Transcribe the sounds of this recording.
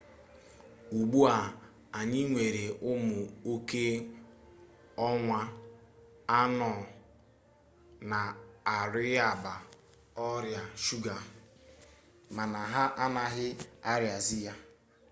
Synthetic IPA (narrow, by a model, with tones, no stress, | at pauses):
u˨ɡ͡bu˦a˨ | a˨ɲɪ˦ŋʷe˨ɾe˨ʔʊ˦mʊ˨o˦ke˦ | ɔ˦ŋʷa˦ | a˦nɔ˨ | na˨a˨ɾɪ˦a˨ba˨ | ɔ˦ɾja˨ʃu˦ɡa˨ | ma˨na˨ɦa˦ʔa˦na˨ɦɪ˦a˦ɾja˨zi˦ja˦